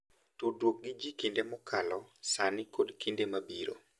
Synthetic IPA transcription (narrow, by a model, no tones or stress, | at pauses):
todwok̚ɡid͡ʒikindemɔkʰalɔsanɪkodkindemabiɾo̰